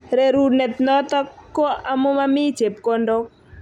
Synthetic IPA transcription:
ɾe˨ɾu˦nɛ˨t̪nɔ˦t̪ɔ˦kːo˦a˦mo˦ma˦mɪ˦t͡ʃe˨p̚ko˦ndo˦k

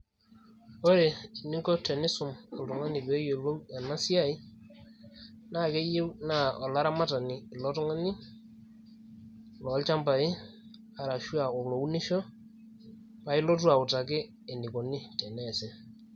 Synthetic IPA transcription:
ɔ˦ɾe˨i˨ni˦ŋkɔ˦tɛ˨nɪ˦sʊ˨mɔ˨ltɔ˨ŋa˦ni˨be˨˦jo˨lo˦wa˨na˦si˦a˦i˦ | na˦˨ke˦je˦wna˦˨ɔ˨la˦ɾa˦ma˦ta˨niː˨lɔ˦tɔ˦ŋa˦ni˦ | lɔ˨˦lt͡ʃa˦mba˨ɪ˦ | a˨ɾa˨ʃu˦a˨ɔ˨lo˨u˦ni˦ʃɔ˦ | pa˨˦ɪ˦lo˦tu˦a˨ʊ˨ta˨kɪ˦ | ɛ˨ni˨kɔ˨ni˦tɛ˨nɛ˦˨sɛ˦

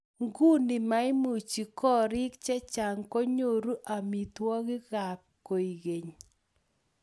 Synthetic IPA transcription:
ŋɡu˦ni˨ma˦ɪ˦mu˨t͡ʃi˨kɔ˦ɾɪ˦k̚t͡ʃɛ˦t͡ʃa˨ŋko˦ɲo˦˨ɾu˦ʔa˨mi˨t̪wɔ˦ɣɪ˦ɣa˨kːo˨i˨ɡe˨ɲ

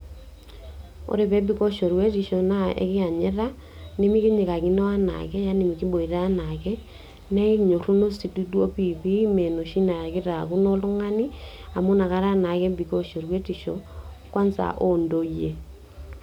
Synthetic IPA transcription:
o̰˨ɾe˨βɛ˦bi˦ko˦ʃo˨ɾwe˦ti˨ʃo˨na˦ʔḛ˨kɪ˦a˨ɲe˦ɾa˦ | ne˦mi˦ki˦ɲe˨ka˨ki˦nɔ˦a˦na̰˨kɛ˦ja˦ni˨mi˨ki˦bo˨i˨ɾa˦na˨kɛ˦ | nɛ˦i˦ɲo˨ɾu˦no˦si˨tu˦dwo˦pi˦˨pi˦mɛ˨no˨ʃi˦na˨ɾa˨ke˦ɾa˨ku˦no˦lu˦ŋa˦ni˦a˨mo˦na˨ka˦ɾa˦na˨kɛ˦bi˨ko˦ʃo˨ɾwe˦ti˨ʃo̰˨ | kwa˦nsa̰˨ʔo˦ndo˨je˨

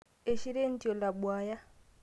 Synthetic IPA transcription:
e˦˨ʃi˦ɾe˦n̩˦tʼi˨ɔ˨la˨bwaː˨ja˦

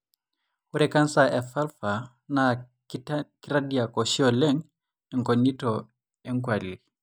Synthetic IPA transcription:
wu˦ɾɛka˦nsaʔɛ˨fa˦lfa | na | ki˦ɾadia˨ko˨ʃi˦ɔ˨lɛ˦ŋ | ɛ˨ŋko˨nːi˦tɔ | ɛ˦ŋkwa˨lːi˨

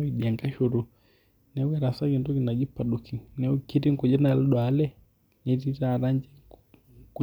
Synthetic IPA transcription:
i˨ɗi˨a˨ŋɡa˦ʃu˨ɾu˨ | nɛ˨˦wɛ˦ɾa˨sa˦ki˨ndu˦ɡi˨na˨d͡ʒi˦pːa˨ɗu˨kʰi˨nɛ˦u˦ki˦ɾi˦ŋku˨d͡ʒɛ˦na˨lu˦ɗɔ˨a˦lɛ˦ | nɛ˨˦ti˦ta˨ɾa˦ɲd͡ʒɛ˦ | ku˦

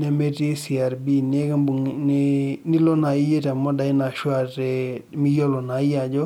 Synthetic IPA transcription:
nɛ˨me˦te˦si˨a˨ɾbi˦ne˦ka˦u˨n˦nɪ˦lɔ˦na˨i˦je˦ta˨mɔ˦da˨ɪ˦na˨ʃwa˦˨tɛ˨mi˦jɔ˦lɔ˨na˨˦ɪ˦ja˨d͡ʒɔ˦

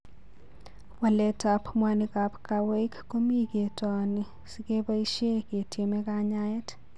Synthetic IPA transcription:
wa˨lɛ˦ta˨pʰmwa˦nika˨pkawe˦kːo˦mi˦ke˨ta˨ni˨ | sike˦ba˦i˦ʃje˦ke˨te˨mɛ˦ka˦ɲa˦ɛ˦t

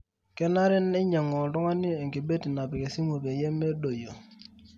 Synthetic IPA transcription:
kɛ˦na˦ɾɛ˦nɛ˦ɲa˨ŋɔ˨dɔ˦ŋa˦ni˦e˨ŋɡi˨be˦ti˨na˨pɛ˨kɛ˨si˦mo˨be˨jɛ˦me˦do˨jo˨

